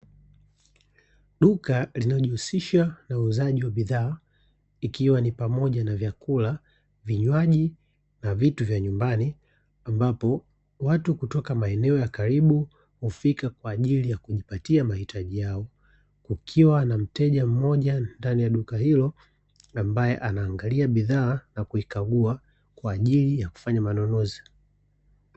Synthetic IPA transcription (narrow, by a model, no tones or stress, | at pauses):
ɗukalinalɔʄihusiʃanauzaʄiwaɓiðaː | ikiwanipamɔʄanavjakula | viɲwaʄi | navituvjaɲumbani | ambapɔ | watukutɔkamaɛnɛɔjakaɾiɓu | hufikakwaːʄilijakuʄipatiamahitʰaʄijaɔ | kukʰiwanam̩tɛʄam̩mɔʄandanijaɗukahilɔ | ambajɛ̰ʔanaːŋɡaliaɓiðaːnakuikaɡua | kwaːʄilijaku̥faɲamanɔnɔzi